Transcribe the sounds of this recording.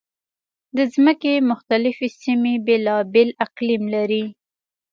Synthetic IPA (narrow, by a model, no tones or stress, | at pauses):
d̪əzməkemʊxt̪alɪfesimebelɑbɪlaqlimlaɾi